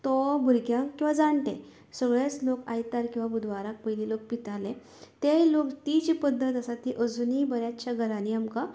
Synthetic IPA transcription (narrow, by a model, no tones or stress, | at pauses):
t̪ɔbʱuɾkjãkkːĩw̃ʋad͡zaɳʈ̪ẽ | səɡɭat͡slokajt̪aɾkĩw̃ʋabud̪ʱʋaɾak̚pəjlilok̚pit̪ale | t̪elokt̪id͡ʑipəd̪ʱːət̪əsat̪iʔəd͡zunibəɾjat͡ɕjaɡʱəɾaniamka